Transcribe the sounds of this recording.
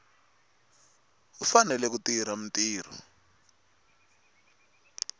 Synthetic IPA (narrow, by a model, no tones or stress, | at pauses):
ufanɛlɛk̬utiɾam̩tiːr̤ɔ̰